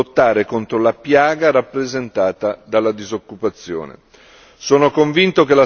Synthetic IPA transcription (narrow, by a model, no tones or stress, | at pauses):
ot̪ːaːɾekont̪ɾolapjaːɡaɾapːɾezent̪aːt̪ad̪alːad̪izokːupat̪sːjo̰ːnḛ | soːnokoɱvint̪okela